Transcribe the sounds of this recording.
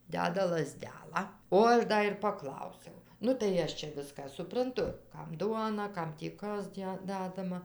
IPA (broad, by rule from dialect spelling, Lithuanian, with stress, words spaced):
ˈdʲæːdɐ lˠɐˈzʲdʲæːlˠɑː oː ˈɐʃ ˈdɐ ɪr pɐˈklˠɐʊsʲɛʊ nʊ tɐɪ ˈɐʃ t͡ʃʲɛ ˈʋʲɪskɑː sʊprɐnˈtʊ ˈkɐm ˈduɔnɐ ˈkɐm tʲiː ˈkɐs ˈdʲæ ˈdɑːdɐmɐ